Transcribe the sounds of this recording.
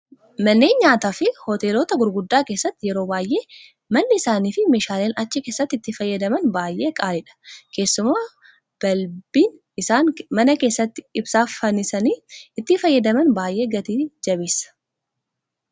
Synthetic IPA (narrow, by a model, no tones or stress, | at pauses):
mɐnːeːnɲaːt̪aːfɪhot̪e̞ːlo̞ːt̪ɐɡʊɾɡʊd̪ːaːke̞ːsːɐt̪ːɪjɛɾo̞ːbaːjʔe̞ː | mɐnːɪɪsaːniːfɪme̞ːʃaːleːnɐt͡ʃːɪke̞ːsːɐt̪ːɪt̪ːɪfɐjːɐd̪ɐmɐnbaːjʔe̞ːkʼaːlɪᶑɐ̥kʰe̞ːsːʊmaː | b̥ɐlb̥iːn | ɪsaːnmɐnɐke̞ːsːɐt̪ːɪɪbsaːffɐnɪsɐniːɪt̪ːɪfɐjːɐd̪ɐmɐnbaːjʔe̞ːɡɐt̪iːd͡ʒɐbeːsɐ̥